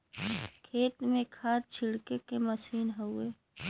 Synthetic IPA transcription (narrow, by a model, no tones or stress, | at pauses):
kʰeːt̪mẽkʰaːt̪̚t͡ʃʰɪɽkekeməsiːnɦoʊeː